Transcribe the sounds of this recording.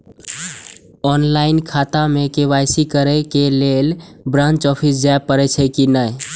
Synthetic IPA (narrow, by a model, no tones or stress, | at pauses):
ɔnlainkʰat̪amekeβajsikəɾɛkelel | bɾãnt͡ʃɔpʰisd͡ʒaepːəɾɛt͡ʃʰəkinəj